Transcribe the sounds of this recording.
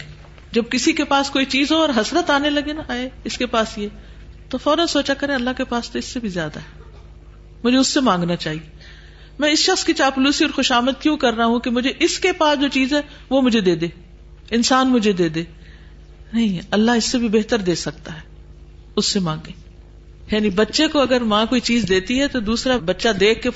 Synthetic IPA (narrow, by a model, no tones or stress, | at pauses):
d͡ʒɐb̚kɪsikepaːskoːit͡ʃiːzɦoɔːɾɦɐsɾət̪aːnelɐɡenaaːeɪskepaːsjeː | t̪ofɔːɾənsoːt͡ʃakɐɾẽɐlːaɦkepaːst̪oɪsːebʱizjaːd̪aɦɛː | mʊd͡ʒʱeʊsːemãːŋɡnat͡ʃaːɦieː | mɛ̃ːɪsʃɐxskit͡ʃaːpʊluːsiɔːɾxʊʃaːməd̪̚kjũːkɐɾːaɦũkemʊd͡ʒʱeʔɪskepaːsd͡ʒoːt͡ʃiːzɦɛː | ʋomʊd͡ʒʱed̪eːd̪eː | ɪnsaːnmʊd͡ʒʱed̪eːd̪eː | nɐɦĩɐlːaɦɪsːebʱibeɦt̪əɾd̪eːsɐk̚t̪aɦɛː | ʊsːemãːŋɡeː | jaːnibɐtːʃekoɐɡəɾmãːkoːit͡ʃiːzd̪eːt̪iɦɛt̪od̪uːsɾabɐtːʃad̪eːkʰke